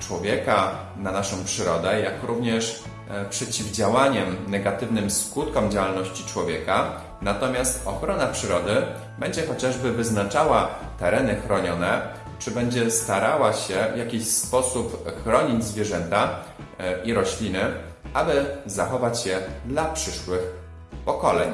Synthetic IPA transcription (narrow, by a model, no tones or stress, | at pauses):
t͡ʂwɔvʲjɛka | nanaʂɔ̃w̃pʂɘɾɔd̪ɛjakɾuvɲɛʂ | pʂɛt͡ɕivd͡ʑawaɲɛmnɛɡat̪ɘvnɘmskut̪kɔmd͡ʑawalnɔɕt͡ɕit͡ʂwɔvʲjɛka | nat̪ɔmʲjast̪ɔxɾɔnapʂɘɾɔd̪ɘ | bɛɲd͡ʑɛxɔt͡ɕaʐbɘvɘznat͡ʂawa | t̪ɛɾɛnɘxɾɔɲɔnɛ | t͡ʂɘbɛɲd͡ʑɛst̪aɾawaɕɛvjakʲiɕspɔsupxɾɔɲid͡ʑzvʲjɛʐɛnt̪a | iɾɔɕlʲinɘ | abɘzaxɔvat͡ɕjɛd̪lapʂɘʂwɘx | pɔkɔlɛ̰ɲ